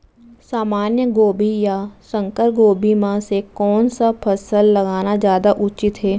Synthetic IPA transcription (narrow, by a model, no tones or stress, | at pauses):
saːmaːnjəɡoːbʱijasə̃ŋkəɾɡoːbʱimãsekɔːnsapʰəsəlːɐɡaːnazjaːd̪aʔʊt͡ʃɪt̪ɦɛː